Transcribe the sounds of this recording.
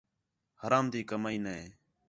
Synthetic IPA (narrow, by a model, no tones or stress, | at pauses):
həɾaːmd̪iːkəmaːiːnəɦeː